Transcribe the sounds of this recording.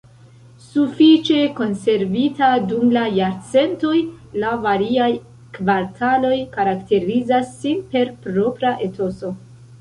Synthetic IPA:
sufit͡ʃe̞ko̞nse̞ɾvitadumlajaɾt͡se̞nto̞j | lavaɾiaj | kvaɾtʰalo̞jkaɾakte̞ɾizasːinpe̞ɾpɾo̞pɾaʔe̞tʰo̞so̞

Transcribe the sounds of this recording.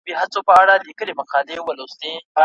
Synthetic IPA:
biɦat͡sopəaɽalikəlemaqɑd̪ewalost̪e

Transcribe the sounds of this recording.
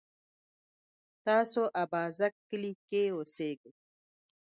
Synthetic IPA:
t̪aːsoʔabaːzɐkːəlikeoseɡə

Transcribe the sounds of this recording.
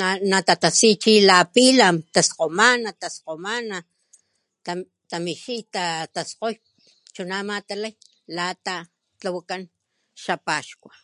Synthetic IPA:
anat̪at̪asit͡ʃilapilamt̪asqomanat̪asqomana | a | t̪amiʃit̪at̪asqoj | t͡ʃunamat̪alaj | lat̪a | t͡ɬawakan | ʃapaʃkʷa

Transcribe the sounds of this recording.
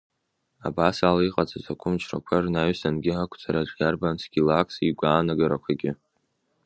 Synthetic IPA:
a̰basalaiqʼat͡sʼazʷakʷʰʊmt͡ʃʰrakʷʰarnaɥsanɡʲɪɦakʷʰt͡sʼaɾaʈ͡ʂʼjarbansɡʲilakʰsiɡʷaːnaɡaɾakʷʰaɡʲɪ

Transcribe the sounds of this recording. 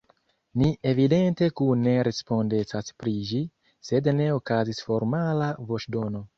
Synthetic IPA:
nie̞vide̞nte̞kune̞ɾe̞spo̞nde̞t͡saspɾid͡ʒi | se̞dne̞okazisfo̞ɾmalavo̞t͡ʃdo̞no̞

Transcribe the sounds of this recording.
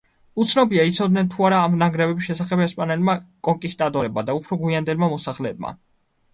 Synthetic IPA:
ut̪sʰnɔbiait̪sʰɔd̪nɛnt̪ʰuaɾaːmnaɡɾɛvɛbisʃɛsaχɛbɛspʼanɛlmakʼɔŋkʼist̪ʼat̪ʼɔɾɛbmad̪aupʰɾɔɡwiand̪ɛlmamɔsaχlɛːb̚ma̰

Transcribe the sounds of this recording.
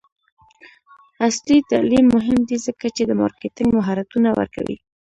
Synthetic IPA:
aslit̪alimːʊɦɪmd̪izəkat͡ʃed̪əmɑ̰ɾket̪ɪŋɡmaɦaɾat̪unawə̰ɾka̰wḭ

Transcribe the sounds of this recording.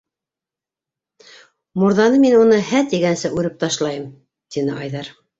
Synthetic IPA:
muɾðɑnɤminunɤhæt̪iɡænsɘʔʉɾɘp̚t̪ɑʃlˠɑjɤm | t̪inɘʔɑjðɑɾ

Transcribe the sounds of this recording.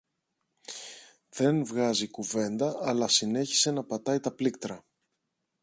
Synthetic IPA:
ðe̞nvɣɐzikuve̞nd̪ɐʔɐlɐsine̞çi̥se̞nɐpɐt̪ɐit̪ɐplik̚t̪ɾɐ

